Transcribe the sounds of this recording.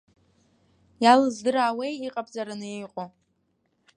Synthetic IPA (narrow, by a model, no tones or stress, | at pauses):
jalɨzdɨɾaːwejiqʼabʼzaɾanɨjejqʼo